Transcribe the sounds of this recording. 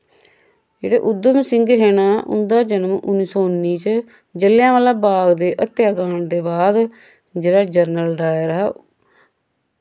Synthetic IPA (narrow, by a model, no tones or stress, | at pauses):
d͡ʒḛːɽḛːʔʊd̪əmsɪŋɡɦeːnaːʔʊ̰nd̪aːd͡ʒənəmʊnːiːsoːʊnːiːt͡ʃ | d͡ʒəlɪjãːʋaːlaːbaːɡd̪eːʔət̪ːjaːkaːɳd̪eːbaːd̪ | d͡ʒeːɽaːd͡ʒəɾnəlɖaːjəɾɦaː